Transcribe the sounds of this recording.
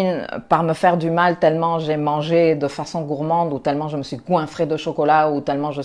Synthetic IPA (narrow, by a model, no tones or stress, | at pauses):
npaʁməfɛʁd̪ymalt̪ɛlmɑ̃ʒɛmɑ̃ʒed̪əfasɔ̃ɡuʁmɑ̃d̪ut̪ɛlmɑ̃ʒəməsɥiɡwɛ̃fχed̪əʃɔkɔlaut̪ɛlmɑ̃ʒə